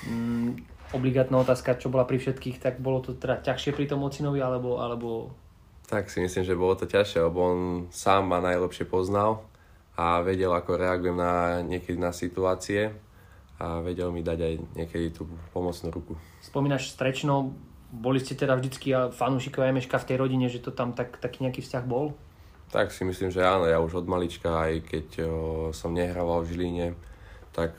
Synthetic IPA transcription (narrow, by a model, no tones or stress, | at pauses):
ɔbliɡaːt̪naːɔt̪aːskat͡ʃɔbɔlapɾifʃɛt̪kiːxt̪aɡbɔlɔt̪ɔt̪ɛd̪acaxʃɪɛpɾit̪ɔmɔt͡sinɔʋialɛbɔʔa̰lɛbɔ | t̪aksimislimʒɛbɔlɔt̪ɔcaxʃɪɛlɛbɔɔnsaːmːanajlɛpʃɪɛpɔznal | aʋɛɟɛlakɔɾɛaɡujɛmnaɲɪɛkɛd̪inasit̪uaːt͡siɛ | aʋɛɟɛlmid̪aɟajɲɪɛkɛd̪it̪upɔmɔt͡snuːɾuku | spɔmiːnaʃst̪ɾɛt͡ʃnɔ | bɔliscɛt̪ɛd̪avʒd̪it͡skiafanuːʃikɔʋajmɛʃkaft̪ɛjɾɔɟiɲɛʒɛt̪ɔt̪amt̪akt̪akiːɲɛakiːfscaɣbɔl | t̪a̰ksimisliːmʒɛaːnɔjauʒɔd̪malit͡ʃkaːjkɛcsɔmɲɛɦɾaʋalvʒiliɲɛt̪ak